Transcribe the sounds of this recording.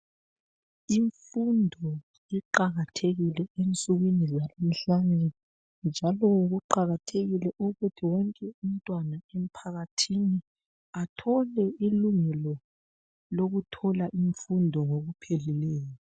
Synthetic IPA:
iɱfundʱɔ | iǃaɣatʰeɣilɛent͡sʼuɣwinizalom̩ɬanʱɛ | nd͡ʒʱalɔɣuǃaɣatʰeɣilɛʔɔɣutʰiwɔŋkʼɛum̩tʼwanaem̩pʰaɣatʰini | atʰɔlɛiluŋɛlɔ | loɣutʰɔlaʔiɱfundʱɔŋoɣupʰelilɛːjɔ

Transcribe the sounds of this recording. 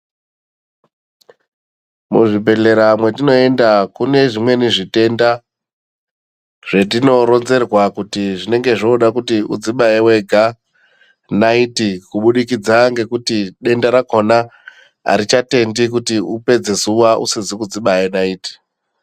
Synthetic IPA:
mṵʐibʱe̞ɮe̞ɾamwe̞tino̞e̞ndakune̞ʐimwe̞niʐite̞nda | ʐ̥e̞t̬ino̞ɾo̞nze̞rwakutiʐine̞ŋɡe̞ʐoɗakutiud͡ziɓaewe̞ɡʱa | naitikuɓuɗikid͡zaŋɡe̞kutiɗe̞ndaɾakona | a̰ɾit͡ʃate̞ndikutiupe̞d͡ze̞zuʋaʔṵsizikud͡ziɓajenaiːti̥

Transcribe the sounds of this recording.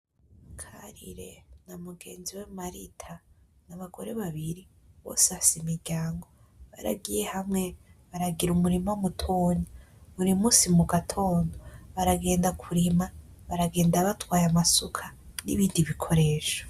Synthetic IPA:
kʰaɾḭɾe̞namuɡe̞ːnziwamaɾitʰa | naβaɡo̞ɾeβaβiɾi | βo̰sasimiɾɟaːŋɡo̞ | βa̰ɾa̰ɡije̞hamŋe̞βaɾaɡiɾumuɾimowumutʰoːɲaβuɾimuːsimuɡatʰo̞ːndo̞βaɾaɡe̞ːndakʰuɾima | βaɾaɡe̞ːndaβatwaːjamasukʰanḭβiːndiβikʰo̞ɾe̞ːʃo̥

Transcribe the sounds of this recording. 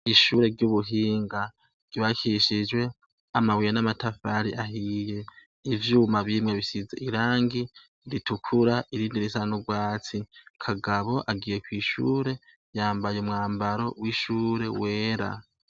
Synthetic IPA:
iʃuːɾe̞ɾɟuβuɦiːŋɡa | ɡ̥ɟ̥iβakiʃid͡ʒwe̞ | amawijenamatafaɾiʔaɦije̞ | ivjuːmaβimŋeβisizeiɾaːŋɡi | ɾitukʰuɾaʔiɾiːndiɾisanuɡwaːt͡sikʰaɡaβo̞ʔaɡiːje̞kwiːʃuːɾe̞ | jaːmbajumŋaːmbaɾo̞wiʃuːɾe̞we̞ːɾa̰

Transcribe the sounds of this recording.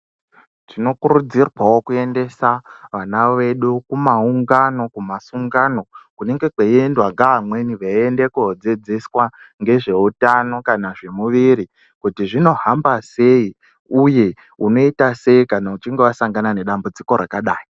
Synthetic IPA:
tino̞kuɾud͡zirwawo̞kue̞nde̞saʋanaʋe̞ɗukumauŋɡano̞kumasuŋɡano̞kune̞ŋɡe̞keendwaŋɡaɦamwe̞niʋaendekuɦod͡ze̞d͡zeswa | ŋɡe̞ʐe̞utano̞kanaʐe̞muʋiɾi | kutiʐino̞ɦambase̞i | uje̞ | uno̞itase̞ikanaut͡ʃiŋɡe̞ʋasaŋɡanane̞ɗambud͡ziko̞ɾakaɗaːji

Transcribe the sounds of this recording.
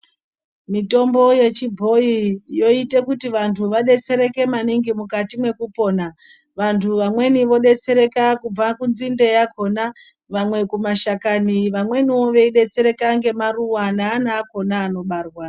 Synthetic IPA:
mito̞mbo̞je̞t͡ʃibʱo̞ijo̞ite̞kutiʋantʰuʋaɗe̞t͡se̞ɾe̞ke̞maniŋɡimukatimwe̞kupo̞ːna | ʋantʰuʋamwe̞niʋo̞ɗe̞t͡se̞ɾe̞kakub͡vakunzinde̞jakʰona | ʋamwe̞kumaʃakaniʋamwe̞nio̞ʋe̞iɗe̞t͡se̞ɾe̞kaŋɡe̞maruwanaːnaːko̞naːno̞ɓaːrwa

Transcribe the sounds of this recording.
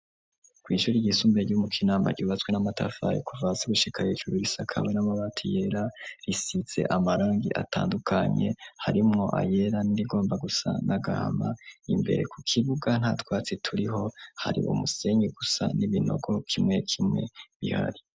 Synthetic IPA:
kwiːʃuːɾiɟisumbeɾɟumukʰinaːmba̰ɾɟuːβat͡swe̞namatʰa̰fajḛkuvaseɡuʃikahiʒuɾuɾisakʰa̰wenamaβatʰijeɾaɾisiz̥e̞̰ʔamaɾaːŋɡiʔa̰tʰaːndukʰaɲe̞̰haɾimŋo̞ʔa̰je̞ɾaniɾiɡo̞ːmbaɡusa̰nʔaɡa̰ha̰maimbe̞̰ɾe̞kukʰiβuɡan̥haːtwaːt͡sitʰuɾiɦo̞ha̰ɾḭʔṵmuse̞ɲɡiɡusa̰niβino̞̰ɡo̞kʰimŋe̞kʰimŋe̞̰βiha̰ɾi

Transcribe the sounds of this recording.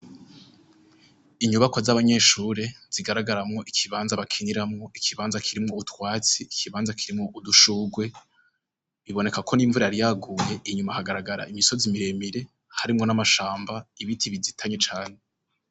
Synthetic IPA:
iɲuβakozaβaɲe̞ːʃuːɾe̞z̥iɡaɾaɡaɾamŋo̞ʔikʰiβaːnzaβakʰiniɾamŋo̞ikʰiβaːnzakʰiɾimŋo̞utwaːt͡siːkʰiβaːnzakʰiɾimŋo̞ʔuduʃuːɡwe̞ | βiβo̞ne̞kakʰo̞niːɱvuɾajaɾijaɡuːje̞ʔiɲumahaɡaɾaɡaɾa̰imisozimiɾe̞miɾe̞ | haɾimŋo̞namaʃaːmbaiβitʰiβizitʰaɲet͡ʃaːɲe

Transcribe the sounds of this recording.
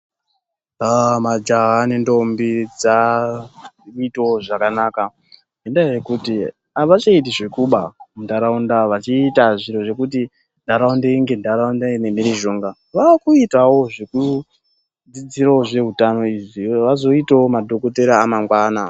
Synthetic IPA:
amad͡ʒaɦanendo̞mbid͡za | itooʐakanaːka | endaje̞kuti | aʋat͡ʃaitiʐekuɓamundaɾaundaʋat͡ʃiːtaʐiro̞ʐe̞kuti | ndʱaɾaundeiŋɡendaɾaundaine̞miɾiʒo̞ŋɡa | ʋakuitawo̞ʐeku | d͡zid͡ziɾaoʐe̞ɦutano̞iʐiʋazo̞itaomadʱo̞koteɾaːmaŋɡwaːna

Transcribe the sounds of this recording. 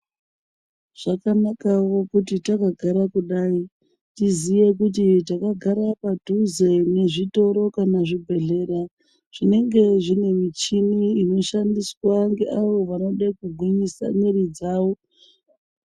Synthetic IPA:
ʐ̥akanakaʋo̞kutitakaɡʱaɾakuɗaːi | tizije̞k̬ut̬itakaɡʱaɾapadʱuze̞ne̞ʐito̞ɾo̞kanaʐibʱe̞ɮe̞ːɾa | ʐ̥ine̞ŋɡe̞ʐine̞mit͡ʃiniino̞ʃandiswaŋɡe̞ʔaʋo̞ʋano̞ɗakuɡʱwiɲisa̰miɾid͡zaːʋo̞

